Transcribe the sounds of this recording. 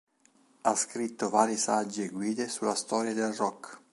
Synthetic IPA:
askɾit̪ːovaːɾjesad͡ʒːeɡwiːd̪esulːast̪ɔːɾjad̪elrɔkː

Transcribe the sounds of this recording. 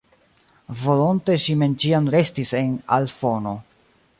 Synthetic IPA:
vo̞lonte̞ʃime̞nt͡ʃiamɾe̞stise̞na̰lfo̞no̞

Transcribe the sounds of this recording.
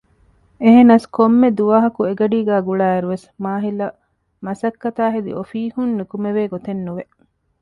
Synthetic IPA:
eɦenɐskomːed̪uʋaːɦɐkueɡɐɖiːɡæːɡuɭaːeɾuʋesmaːɦilɐ | mɐsɐkːɐt̪aːɦed̪ḭʔofiːhunːukumeʋeːɡot̪enːuʋe

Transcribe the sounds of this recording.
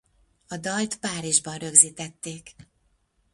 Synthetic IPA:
ɒd̪ɒlt̪paːɾiʒbɒnrø̞ɡziːt̪ɛt̪ːeːk

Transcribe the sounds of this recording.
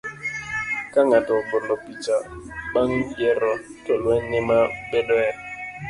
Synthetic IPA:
kaŋatɔbɔlɔpit͡ʃaɓaŋjɛɾɔtɔlwɛɲɛmaɓɛdɔɛ

